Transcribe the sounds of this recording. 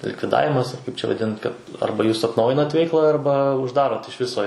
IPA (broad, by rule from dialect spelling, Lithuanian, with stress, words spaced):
lʲɪkʋʲɪˈdɑːʋʲɪmɐs ɐr ˈkɐɪp t͡ʃʲɛ ʋɐˈdʲɪnt ˈkɐt ˈɐrbɐ ˈjuːs ɐtnˈɐʊjɪnɐt ˈʋʲɛɪklˠɐ ɐrbɐ ʊʒˈdɑːroːt ɪʃ ˈʋʲɪsoː